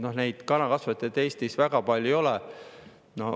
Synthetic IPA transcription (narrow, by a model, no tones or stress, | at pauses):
no̞hne̞jd̪̥kɑnɑkɑsvɑt̪ːˑet̪e̞ːst̪isvæɡ̥ɑpɑlʲuo̞lɛ | no̞